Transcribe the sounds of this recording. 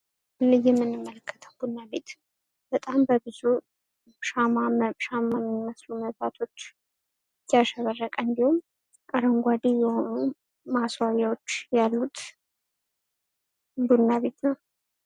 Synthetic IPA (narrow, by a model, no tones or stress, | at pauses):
lɨjɛmːɨnːɨmːələkːə̥t̪ʰəwbunːaβe̞t̪ | b̥ət̪ʼambəbɨzu | ʃamamʃamːamːiməsluməββat̪ʰo̞t͡ʃː | jaʃəβərːəkʼəɨnd̪ihum | ʔaɾəŋɡʷad̪ijɛho̞nu | maswajawo̞t͡ʃːjalːut̪ʰ | bunːaβe̞t̪nəw